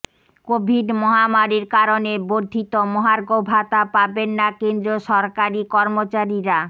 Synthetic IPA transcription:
kobʱiɖmɔɦamaɾiɾkaɾoneboɾd̪ʱit̪omɔɦaɾɡobʱat̪apabenːakend̪ɾoʃɔɾkaɾikɔɾmot͡ɕaɾiɾa

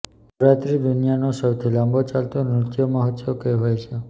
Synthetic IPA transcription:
ɾat̪ɾid̪unijanosəwt̪ʰilãmbot͡ʃalt̪onɾʊt̪joməɦət̪okeɦojt͡ʃʰe

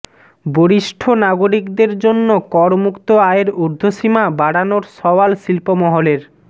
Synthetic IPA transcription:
boɾiʃʈʰonaɡoɾikd̪eɾd͡ʑonːokɔɾmukt̪oaeɾuɾd̪ʱoʃimabaɽanoɾsɔwalʃilpomɔɦoleɾ

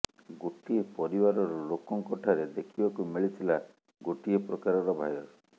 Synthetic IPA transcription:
ɡoʈiepɔɾibaɾɔɾɔlokɔŋkɔʈʰaɾed̪ekʰibakumiɭit̪ʰila | ɡoʈiepɾɔkaɾɔɾɔbʱa̰jɔɾ

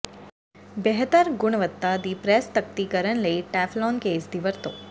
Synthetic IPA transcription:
bɛɦət̪əɾɡʊɳ̃ʋət̪ːad̪ipɾɛst̪ək̚t̪ikəɾəɳləiʈɛflɔnkeːsd̪iʋəɾt̪o

